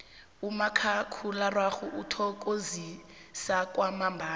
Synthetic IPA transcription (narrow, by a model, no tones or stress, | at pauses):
umakʰakʰularwaxuʔutʰɔkʼozi | sakʼwamambʱaː